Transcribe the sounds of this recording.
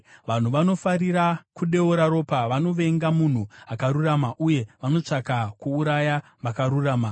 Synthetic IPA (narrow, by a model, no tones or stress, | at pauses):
ʋan̤uʋano̞fariɾakuɗe̞uɾaɾo̞ːpaʋano̞ʋe̞ŋɡamun̤uakaɾuramaʔuje̞ʋano̞t͡ʂakakuːɾaja | ʋakaɾuraːma